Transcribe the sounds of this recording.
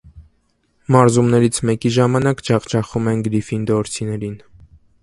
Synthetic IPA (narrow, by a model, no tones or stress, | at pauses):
mɑɾzumnɛɾit͡sʰmɛkiʒɑmɑnɑkd͡ʒɑʁt͡ʃʰɑχumɛnɡɾifind̪ɔɾt͡sʰinɛɾin